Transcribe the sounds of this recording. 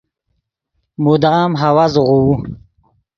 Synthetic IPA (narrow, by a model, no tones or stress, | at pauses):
mud̪aːmɦawazʁu